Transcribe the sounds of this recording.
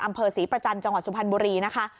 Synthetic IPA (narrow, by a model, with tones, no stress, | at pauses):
ʔa˧mpʰɤː˧siː˩˦pɾa˧t͡ɕa˧mt͡ɕa˧ŋwa˨˩t̪̚su˨˩pʰa˧nbuː˧ɾiː˧na˦˥kʰa˦˥